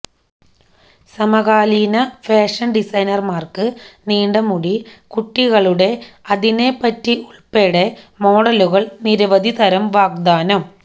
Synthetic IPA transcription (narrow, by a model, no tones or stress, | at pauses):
sɐmɐɣaːliːnɐfeːʂɐnɖisɐjnɐrmaːrkɨniːɳɖɐmuɽikuʈːiɣɐɭuɽe̞ɐðinepːɐtːiuɭpeːɽemo̞ːɽɐluɣɐɭniɾɐʋɐd̪ʱit̪ɐɾɐmʋaːk̚d̪aːnɐm